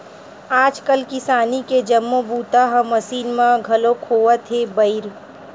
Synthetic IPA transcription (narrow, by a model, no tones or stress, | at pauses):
aːd͡ʒkəlkɪsaːniked͡ʒɐmːobuːt̪aɦɐ̃mɐsiːnmãɡʱɐlokʰoːət̪ʰebɐɪɾ